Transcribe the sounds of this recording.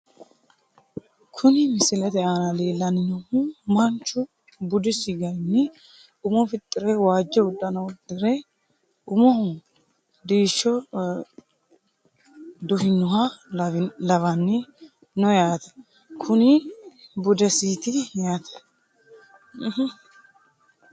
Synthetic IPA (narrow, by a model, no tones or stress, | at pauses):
kʰʊnɪmɪsɪlɛt̪ɛʔaːnɐle̞ːlːɐnɪnɔhmɐnt͡ʃːʊ | bʊd̪ɪsɪɡɐjnːɪ | ʊmɔfɪt̪ʼːɪɾɛwaːd͡ʒːɛwʊd̪ːɐnɐwʊd̪ɪɾɛ | ʊmɔ | d̪iːʃːɔ | d̪ʊhɪnːʊɦa | lɐvɐnːɪ | nɔjaːt̪ɐ̥ | kʰʊnɪbʊd̪ɛsiːt̪ɪjaːt̪ʰɛ̥ | h